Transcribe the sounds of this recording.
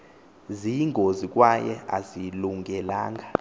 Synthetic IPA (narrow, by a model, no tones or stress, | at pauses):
ziŋʱozik̬ʼwajɛ̰aziluŋʱɛlaːŋʱa